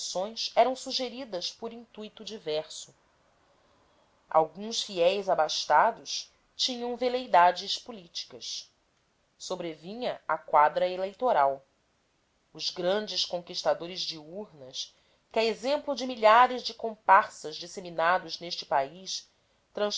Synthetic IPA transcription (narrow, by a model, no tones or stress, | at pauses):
sõj̃sɛɾɐ̃w̃suʒeɾid̪ɐspoɾĩnt̪ujt̪ud͡ʒivɛɾsʊ | a̰wɡũsfiɛjzabaʃt̪ad̪ʊʃ | t͡ʃĩɲɐ̃w̃velejd̪ad͡ʒɪspulit͡ʃi̥kɐs | sobɾevĩɲɐakwad̪ɾɐelejt̪oɾaw | ʊzɡɾɐ̃nd͡ʒɪskõkiʃt̪ad̪oɾɪzd͡ʒɪuɾnɐs | kɪaezẽmplʊd͡ʒɪmiʎaɾɪzd͡ʒɪkõmpaɾsɐzd͡ʒiseminad̪ʊzneʃt͡ʃɪ̥paiʃ | t̪ɾɐ̃